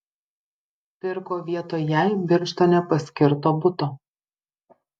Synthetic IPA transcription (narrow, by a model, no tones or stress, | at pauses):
pʲɪɾkoːʋʲiɛt̪oːjɛˑɪbʲɪɾʲʃt̪oːnʲɛpɐsʲkʲɪɾt̪oːbʊt̪oː